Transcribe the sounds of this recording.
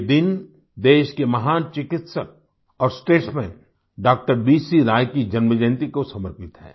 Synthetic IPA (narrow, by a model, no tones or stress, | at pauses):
d̪ɪn | d̪eːʃkemɐɦaːnt͡ʃɪkɪt̪səɾ | ɔːɾsʈeːʈsmẽ | ɖaːk̚ʈəɾbiːsiɾaːjkid͡ʒɐnməd͡ʒɛ̃nt̪ikosɐməɾpɪt̪ɦɛ̰ː